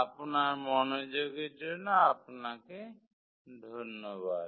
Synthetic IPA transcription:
apnaɹmɔnod͡ʒoɡed͡ʒɔnaapnake | d̪ʱɔnːɔbad̪̚

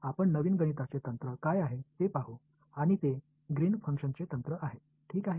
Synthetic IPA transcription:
apəɳnəʋiːnɡənit̪at͡set̪ənt̪ɾəkajaɦet̪epaɦu | aɽ̃it̪e | ɡɾiːnfʰəŋkʂənt͡set̪ənt̪ɾəʔaɦe | ʈʰiːkaɦe

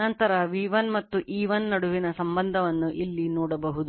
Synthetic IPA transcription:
nɐnt̪ɐɾɐʋiːʋɐnmɐt̪ːuʔiːʋɐnːɐɽuʋinɐsɐmbɐnd̪ʱɐʋɐnːuʔilːinɔːɽɐbɐɦud̪u

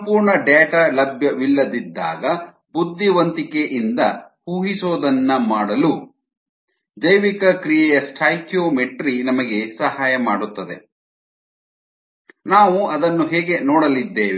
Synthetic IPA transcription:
sɐmpuːɾɳɐɖeːʈaːlɐbʱjɐʋilːɐd̪id̪ːa̰ːɡɐ | bud̪ʱːiʋɐnt̪ikeʔind̪ɐhuːɦisoːd̪ɐnːɐmaːɽɐlu | d͡ʒɐjʋikɐkɾijɛjɐsʈʰaːjkjoːmeʈɾinɐmɐɡe̞sɐɦaːjɐmaːɽut̪ːɐd̪e | naːʋuɐd̪ɐnːuɦɛːɡe̞nɔːɽɐlid̪ːeːʋi

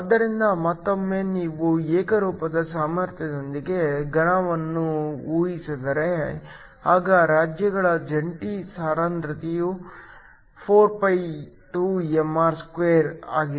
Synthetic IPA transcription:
ɐd̪ːɐɾind̪ɐmɐt̪ːomːe̞ːniːʋuɛːkɐɾuːpɐd̪ɐsaːmɐɾt̪ʰjɐd̪ond̪iɡe̞ɡɐɳɐʋɐnːuuːjisid̪ɐɾe | haːɡɐɾaːd͡ʒjɐɡɐɭɐd͡ʒɐɳʈisaːɾaːnt̪ɾɐt̪iju | pʰoːɾpɐj | ʈuːemːaːɾskʋeːɾa̰ːɡi

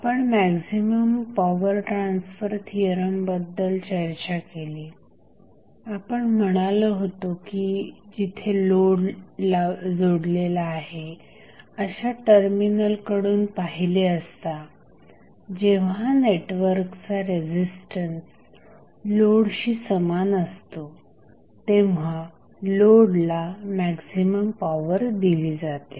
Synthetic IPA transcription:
aapəɳmæksiməmpɔʋəɾʈɾansfəɾt̪ʰiəɾəmbəd̪ːəlt͡ɕəɾt͡ɕakeliː | apəɳm̤əɽ̃aləɦot̪okid͡ʑit̪ʰeloɽlad͡zoɽlelaːɦe | əɕaʈəɾminəlkəɽuːnpaɦileəst̪a | d͡ʑeʋ̤aneʈʋəɾkt͡saɾed͡ʑisʈəns | loɽɕiːsəmanəst̪o | t̪ẽʋ̤a | loɽlamæksiməmpaʋəɾd̪iliːd͡zat̪e

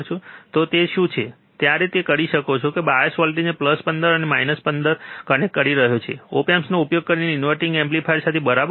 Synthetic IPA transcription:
t͡ʃʰũt̪ot̪eʃũt͡ʃʰe | t̪jaɾet̪ekəɾiʃəkot͡ʃʰokebajesʋalʈid͡ʒepləspənd̪əɾənemainəspənd̪əɾkənekːəɾiɾəɦot͡ʃʰḛo̰pemsnoupjoɡ̚kəɾineinʋəɾʈɪŋɡemplifʰajɾsat̪ʰebəɾab

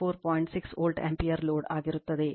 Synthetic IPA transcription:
oːɾpoːjɳʈsiksoːlɖḛmpijɐɾloːɖaːɣiɾut̪ːɐðe

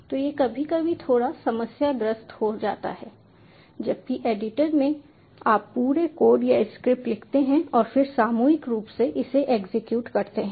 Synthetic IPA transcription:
t̪oːjekɐbʱikabʱit̪ʰoːɽasɐməsjad̪ɾəst̪hod͡ʒa̰ːt̪a̰ɦɛː | d͡ʒɐb̚kiʔeːɖɪʈəɾmẽ | aːpːuːɾekoːɖjaɪskɾɪp̚ʈlɪkʰt̪eɦɛ̃ɔːɾfɪɾsaːmuːɪkɾuːpseʔɪseʔeːɡzɪkjuːʈkɐɾt̪eɦɛ̃ː

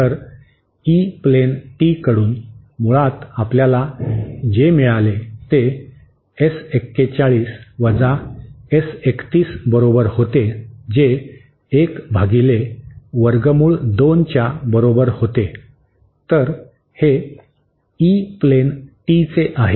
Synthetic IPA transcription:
t̪əɾ | iplenʈikəɽuːn | muɭat̪apljalad͡ʑemiɭalet̪e | esekːet͡ɕaɭiːsʋəd͡zaesekt̪iːsbəɾobəɾhot̪ed͡ʑeː | kbʱaɡileʋəɾɡəmuːɭd̪ont͡ɕjabəɾobəɾhot̪e | t̪əɾ | he | iplenʈit͡seʔaɦe

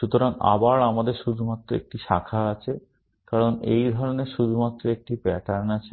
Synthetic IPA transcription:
ʃut̪oɾaŋa̰baɾamad̪eɾʃud̪ʱumat̪ːɾoḛk̚ʈiʃakʰaat͡ɕʰe | kaɾonejd̪ʱɔɾoneɾʃud̪ʱumat̪ːɾoek̚ʈibɛʈaɾnat͡ɕʰe

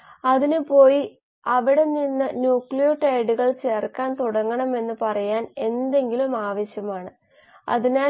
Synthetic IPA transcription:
ɐðinupo̞ːji | ɐʋiɽe̞ninːɨnjuːkɭijoʈɐjɽuɣɐɭt͡ɕe̞ːrkːaːnt̪uɽɐŋːɐɳɐme̞nːɨpɐrɐjaːne̞nd̪e̞ŋɡilumaːʋɐɕjɐmaːɳɨ | ɐ̰ðine

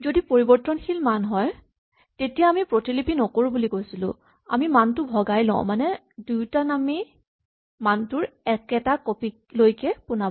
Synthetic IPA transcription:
zodipoɹibɔɹtːɔnxilmanɦɔj | tetijaːmipɹotilipinɔkoɹubulikojsilʊ̰̃ | amimantʊbʱɔɡajlɔ̰̃ʊ̃manɛ | dujtanami | mantʊɹɛkɛtakopi | lojkɛpʊna

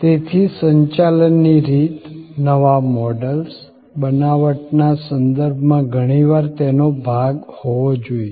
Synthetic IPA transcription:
t̪et̪ʰisəɲt͡ʃalənːiɾit̪nəʋamɔɖəls | bənaʋəʈnasənd̪əɾbʱmãɡʱəɽ̃iʋaɾt̪enobʱaɡhoʋod͡ʒoi

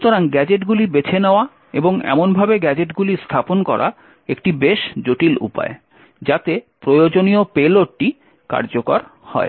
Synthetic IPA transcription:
ut̪oɾaŋɡɛd͡ʑeʈɡulibet͡ɕʰeneoa | ḛboŋɛ̰monbʱabeɡɛd͡ʑeʈɡulist̪ʰaponkɔ̰ɾa̰ | ekʈibeʃd͡ʑoʈilṵpa̰e | d͡ʑat̪epɾojod͡ʑoniopeloʈʈːi | ka̰ɾd͡ʑokoɾhɔ̰e

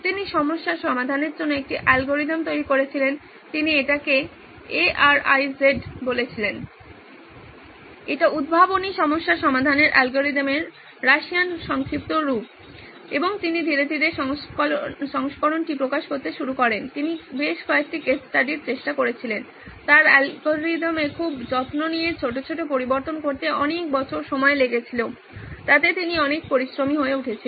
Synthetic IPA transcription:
t̪iniʃɔmoʃːaɾʃɔmad̪ʱaneɾd͡ʑonːoek̚ʈiʔɛlɡoɾid̪amt̪ojɾikoɾet͡ɕʰilen | t̪inieʈake | eʔaɾajzeɖbolet͡ɕʰilen | eʈaud̪̚bʱaboniʃɔmoʃːaɾʃɔmad̪ʱaneɾʔɛlɡoɾid̪ameɾː | aʃianʃɔŋkɾip̚t̪oɾup̚ | eboŋt̪inid̪ʱiɾed̪ʱid̪eʃ | ʃɔŋʃkɔɾonʈipɾokaʃkoɾt̪eʃuɾukɔɾent̪inibeʃkɔek̚ʈikessʈaɖiɾt͡ɕeʃʈakoɾet͡ɕʰilen | t̪aɾɛlɡoɾid̪amekʰubd͡ʑɔt̪nonijeɾt͡ɕʰoʈ̬ot͡ɕʰoʈop̬oɾiboɾt̪onkoɾt̪eʔɔnek̚bɔt͡ɕʰoɾʃɔmɔeleɡet͡ɕʰilo | t̪at̪et̪iniɔnek̚poɾisɾomiɦoeuʈʰet͡ɕʰi

